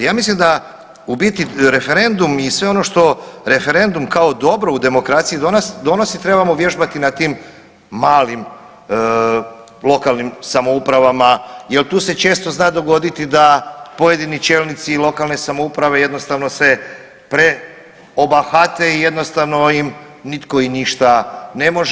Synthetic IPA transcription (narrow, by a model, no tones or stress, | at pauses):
jaːmislimd̪a | ubit̪iɾe̞feɾe̞nd̪umisʋe̞o̞no̞ʃt̪o̞ɾe̞fe̞ɾe̞nd̪umkao̞d̪o̞bɾo̞ud̪e̞mo̞kɾat̪sijid̪onasd̪o̞no̞sit̪ɾebamoʋje̞ʒbat̪inat̪iːmː | aːlim | lˠo̞kalˠnimsamo̞upɾaʋamaje̞lˠt̪uːse̞t͡ʃe̞ːst̪o̞znaːd̪o̞ɡo̞d̪it̪id̪apo̞je̞d̪init͡ʃe̞ːlnit̪silˠo̞kalˠne̞samoupɾaʋe̞je̞d̪no̞st̪aʋno̞se̞ | pɾe̞ | o̞baxat̪e̞ije̞d̪nost̪aʋno̞im | nit̪ko̞iniʃt̪ane̞mo̞ʒ